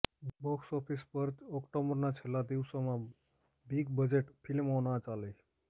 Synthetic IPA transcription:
bɔksɔpʰispəɾɔkʈobəɾnat͡ʃʰelad̪iwsomã | biɡbəd͡ʑeʈpʰilmɔnat͡ʃaləj

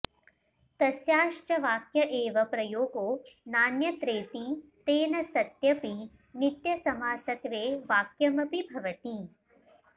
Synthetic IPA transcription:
t̪ɐsjaːʃt͡ʃɐʋaːkjɐʔeːʋɐpɾɐjoːɡoːnaːnjɐt̪ɾeːt̪it̪eːnɐsɐt̪jɐpi | nit̪jɐsɐmaːsɐt̪ʋeːʋaːkjɐmɐpibʱɐʋɐt̪i

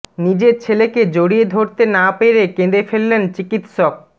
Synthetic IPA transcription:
nid͡ʑet͡ɕʰeleked͡ʑoɽijed̪ʱoɾt̪enapeɾekẽnd̪ɾefelːent͡ɕikit̪ʃɔk̚

